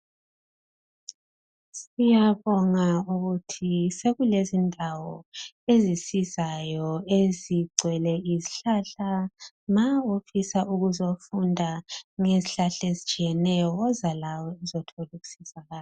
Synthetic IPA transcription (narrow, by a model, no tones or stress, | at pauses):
sijaβɔŋauɣutʰiseɣulezindʱawɔ | ezisizajɔeziɡ͡ǀʱwɛlɛiziɬaːɬa | maofisaʔuɣuzofundʱaŋeziɬaɬezit͡ʃʼijɛnɛjɔɣɔzalawɔɛzɔtʰoluɣu̥sizaɣaːl